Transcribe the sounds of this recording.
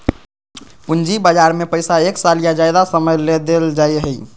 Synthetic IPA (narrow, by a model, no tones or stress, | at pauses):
pund͡ʒibad͡ʒaɾmepəjsaeksalijad͡ʒajd̪asəməjled̪eld͡ʒajɦəj